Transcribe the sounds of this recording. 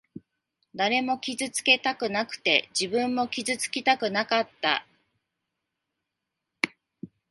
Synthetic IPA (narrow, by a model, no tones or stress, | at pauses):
d̪aɾe̞mo̞kʲizɨt͡sɨ̥ke̞t̪akɯ̟nakɯ̟̥t̪e̞d͡ʑibɯ̟̃mːo̞kʲizɨt͡sɨ̥kʲit̪akɯ̟nakat̪ːa̰